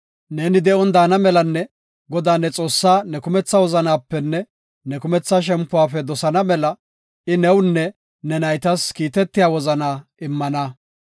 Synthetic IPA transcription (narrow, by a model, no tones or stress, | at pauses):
ne̞ːnɪd̪ɛʔɔnd̪aːnɐmɛlɐnːɛ | ɡɔd̪aːnɛt͡sʼo̞ːsːaːnɛkʊmɛt͡sːɐwɔzɐnaːpːɛnːɛ | nɛkʊmɛt͡sːɐʃ̬ɛmpːʊaːfɛd̪ɔsɐnɐmɛlɐ | ɪnɛwnːɛ | nɛnɐjt̪ɐskiːt̪ɛt̪ːɪjaːwɔzɐnaːʔɪmːɐnɐ